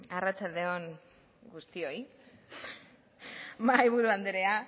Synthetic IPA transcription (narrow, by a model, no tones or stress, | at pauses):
arat͡sald̪e̞o̞n | ɡust̪io̞i | majβuɾuand̪eɾea